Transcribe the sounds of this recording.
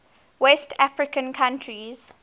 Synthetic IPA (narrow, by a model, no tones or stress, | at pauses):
wɛstʰafɹɪkə̃nkʰãntʰɹiz̥